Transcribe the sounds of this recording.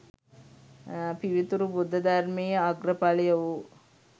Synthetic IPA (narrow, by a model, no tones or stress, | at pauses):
piʋit̪uɾubud̪ʱːɐd̪armejəaɡrəpalijɐʋu